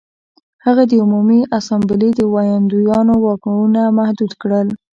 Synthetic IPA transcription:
haɣad̪əumumiʔasɑmbɪlid̪əwajɑnd̪ujɑnowɑkwunamahd̪ud̪kɽəl

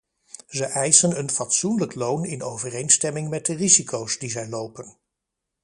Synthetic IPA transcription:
zəʔɛjsənənfɑtsunləklownɪnowvərejnstɛmɪŋmɛt̚dərizikowsdizɛjlowpən

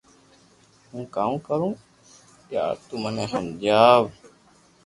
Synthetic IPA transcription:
hũːkaːũːkəɾũː | ja̰ːt̪uːməneːɦəmd͡ʒaːʋ

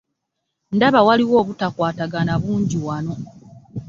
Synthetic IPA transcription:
ndaβawaliwo̞ːβutakwaːtaɡanaβuːɲɟiwano̞

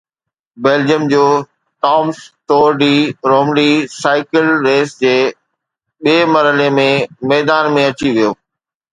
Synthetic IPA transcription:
beːld͡ʑijəmd͡ʑoː | ʈaːmst̪oːɾɖiːɾoːmɖisaːɪkəlɾeːsd͡ʑeː | ɓiiːmɐɾɦəlemẽmɛːd̪aːnmẽɐt͡ɕiʋijoː

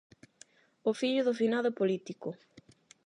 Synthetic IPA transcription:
ofiʎʊðofinaðopolit̪ikʊ

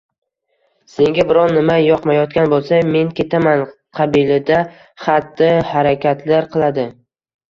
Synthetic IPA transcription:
se̞ŋɡʲabɪɾɒnːɪmajɒqmajɒt̪̚kʲanbolˠsame̞ŋkʲe̞t̪ʰaman | qʰɑbilad̪a | χat̪ːɪhaɾakʲʰat̪ʰlaɾqʰɨlˠad̪ɪ

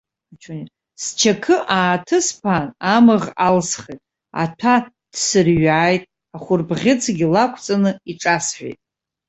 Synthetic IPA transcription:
t͡ʃʰoni | st͡ʃʰakʰɨʔaːtʰɨspʰanamɨʁalsχejtʼ | a̰tʷʰa | d̥sɨrɥaːjtʼ | aχʷʊrbʁʲɪt͡sʰɡʲilakʷʰt͡sʼanɨiʈ͡ʂʼasħʷᶣḛjtʼ

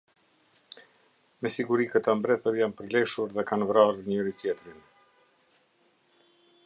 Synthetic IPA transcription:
mɛsiɡuɾikət̪ɔmbɾɛθəɾjanpəɾlɛʃuɾðɛkanvɾaɾɾɲəɾit̪jɛt̪ɾin

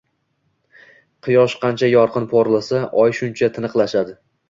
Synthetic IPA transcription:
qʰɨjɒʃqʰɑnt͡ʃʰajɒɾqʰɨnpʰoɾlˠasaʔɒjʃʊnt͡ʃʰat̪ʰɪnɨqlˠaʃad̪ɪ

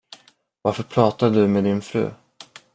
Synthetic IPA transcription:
vaɾfœɾpʰɾɑːt̪ad̪əd̪ɵmeːd̪ɪnfɾʉ̟̰ː

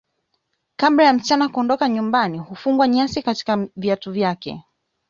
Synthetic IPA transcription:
kabɾajam̩t͡ʃanakuɔndɔkaɲumbanihufuŋɡwaɲasikati̥kaviatuvjakɛ̰

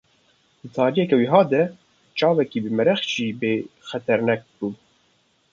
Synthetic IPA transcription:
d̪ɨt̪ʰɑːɾijɛkɛwiɦɑːd̪ɛ | t͡ʃɑːvɛkiːbɨmɛɾɛxʒiːbeːxɛt̪ʰɛɾnɛk̚bun

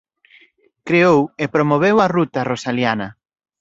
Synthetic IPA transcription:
kɾeowepɾomoβewɐrut̪ɐrosaljanɐ

